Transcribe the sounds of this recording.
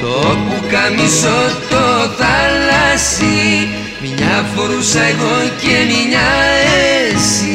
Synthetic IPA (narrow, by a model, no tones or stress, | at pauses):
t̪opukamisot̪oθalasi | miɲafoɾusajɣonkeniɲaesi